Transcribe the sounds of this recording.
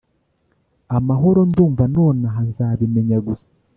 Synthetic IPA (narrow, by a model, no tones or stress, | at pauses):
amaɦo̞ɾo̞nduːɱvano̞ːnaɦanzaːβime̞ɲaɡusḁ